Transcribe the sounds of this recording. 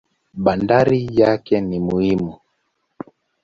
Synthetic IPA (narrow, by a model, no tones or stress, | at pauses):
ɓandaɾijakɛnimuhimu